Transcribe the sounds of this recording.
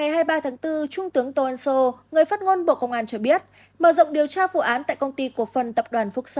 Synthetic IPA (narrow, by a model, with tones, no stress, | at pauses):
ŋa˨˩jɦaː˧jɓaː˧t̪ʰaː˨˦ŋt̪ɨ˧t͡ɕʊ˧ŋ͡mt̪ɨ˨˦əŋt̪o˧ʔaː˧nso˧ŋɨ˨˩əjfaː˦˥t̚ŋo˧nɓo̰˧˨kə˧wŋ͡mʔaː˧nt͡ɕɔ˧ɓi˦˥ət̚ | məː˧˩zə̰˧˨ŋ͡mɗi˨˩əwt͡ɕaː˧vṵ˧˨ʔaː˨˦nt̪a̰ː˧˨kə˧wŋ͡mt̪i˧ku˧˩əfə˨˩nt̪ə˨˩p̚ɗwaː˨˩nfʊ˦˥k̚sə˧